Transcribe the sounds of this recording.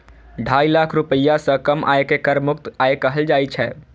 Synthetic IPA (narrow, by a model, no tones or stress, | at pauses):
ɖʱaːilaːkʰɾupəjːasə̃kəmʔa̰ːjkekəɾmʊk̚t̪aːjekəɦəld͡ʒaːit͡ʃʰɛː